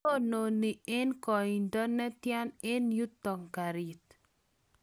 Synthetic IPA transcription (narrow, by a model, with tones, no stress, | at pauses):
o˦no˨ni˨ɪ˦nkɔ˨i˨ndɔ˦nɛ˦tjɛ˦nɪ˦nju˦t̪ːɔ˨ŋka˨ɾi˨t